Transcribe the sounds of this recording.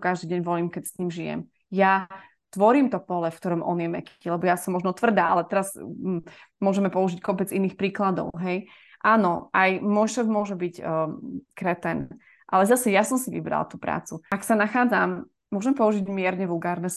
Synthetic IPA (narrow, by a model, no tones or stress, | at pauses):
kaʒd̪iːɟɛɲʋɔliːmkɛcsɲiːmʒijɛ̰m | ja | t̪ʋɔɾiːmt̪ɔpɔlɛfkt̪ɔɾɔmʔɔ̰njɛmɛkʰilɛbɔjasɔmːɔʒnɔt̪ʋr̩d̪aːʔalɛt̪ɛɾas | mʊɔʒɛmɛpɔuʒickɔpɛd͡ziniːxpɾiːklad̪ɔ̰ʊɦɛj | ʔaːnɔʔajmɔjʃɛvmʊɔʒɛbic | kɾɛt̪ɛn | ʔalɛzasɛjasɔmsiʋḭbɾa̰lt̪uːpɾa̰ːt͡suaksanaxaːd͡zamː | ʊɔʒɛmɛpɔuʒiɟmɪɛɾɲɛʋulˠɡaːɾnɛ